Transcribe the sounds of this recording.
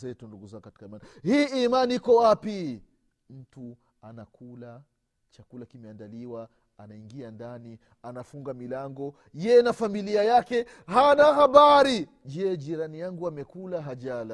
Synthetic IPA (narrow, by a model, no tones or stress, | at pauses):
ɛtunduɡuzaŋɡukati̥kaimanihiːimaniikɔwapi | m̩tu | anakʰula | t͡ʃakulakimɛandaliwa | anaiŋɡiandani | anafuŋɡamilaŋɡɔ | jɛnafamiliajakɛ | hanaɦaɓaɾi | d͡ʒɛd͡ʒiɾanijaŋɡuamɛkulaɦaʄala